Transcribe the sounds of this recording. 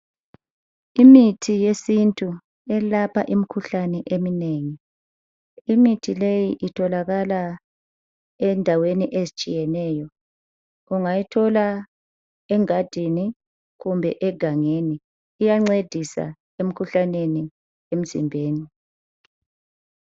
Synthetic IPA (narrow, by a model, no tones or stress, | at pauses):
imitʰijesintʼu | ɛlapʰa̰ʔimikʰuɬanɛʔemineŋi | imitʰilejiʔitʰɔlaɣala | ɛndʱaweniʔezit͡ʃʼijɛnɛjɔ | ɣuŋajitʰɔla | ɛŋad̥ʱini | ɣumbʱɛʔɛɡ̥ʱaŋeniː | jaŋ͡ǀed̥ʱisa̰ | em̩kʰuɬaneni | em̩zḭmbʱeːni